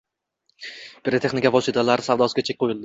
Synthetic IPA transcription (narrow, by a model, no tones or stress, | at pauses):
pʰɪɾet̪ʰe̞χnɪkʲavɒsɪt̪ʰalaɾɪsavd̪ɒsɪɡʲat͡ʃʰekʲqʰojɪlˠd̪ɪ